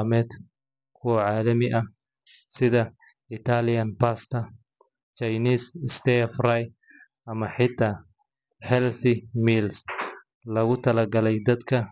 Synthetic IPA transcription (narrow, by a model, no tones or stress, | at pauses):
mɛːd̪ | kʰʊwɐʕaːlɐmɪʔɐ | sɪðɐ | ɪt̪ʰalɪjɐnpast̪ʰɐ | t͡ʃɐjniːsɪst̪ɛfraj | ɐmɐħɪt̪ʰːaː | ħɛlθɪmiːls | lɐɣʊt̪ʰɐlɐɡɐlɛjd̪ɐd̪kʰɐ